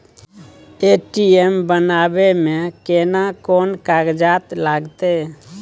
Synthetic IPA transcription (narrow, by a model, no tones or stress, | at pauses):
eʈiembənabemẽkenakonkaɡd͡ʒat̪laɡt̪e